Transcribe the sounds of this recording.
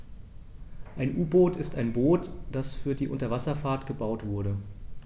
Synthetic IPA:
ʔaɪnʔuːboːtɪstaɪnboːtd̥asfyːɐdiːʔʊntɐvasɐfaːɐtɡ̥əbaʊtv̥ʊɐɾə

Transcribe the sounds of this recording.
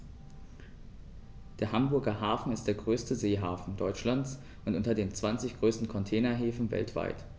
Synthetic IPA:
d̥eːɐɦambʊɐɡɐɦaːfn̩ɪst̚d̥eːɐɡʁøːstəzeːɦaːfn̩dɔʏt͡ʃlant͡s | ʔʊntʔʊntɐdeːnt͡sv̥ant͡sɪçɡ̥ʁøːstn̩kʰɔntʰɛːnɐɦeːfn̩vɛ̰ltv̥a̰ɪt

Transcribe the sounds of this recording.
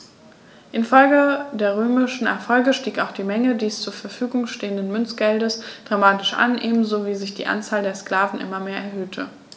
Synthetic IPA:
ʔɪnfɔlɡədeːɐʁ̞øːmɪʃn̩ɛ̰ɐfɔlɡəʃtiːkaʊxd̥iːmɛŋədiːst͡suːɐfɛɐfyːɡʊŋʃteːəndənmʏnt͡sɡ̥ɛldəsd̥ʁamaːtɪʃʔa̰nʔeːbm̩zoviːzɪçd̥ḭːʔa̰nt͡saːldeːɐskl̥aːvn̩ʔɪ̰mɐmeːɐɛɐhɦøːtʰə

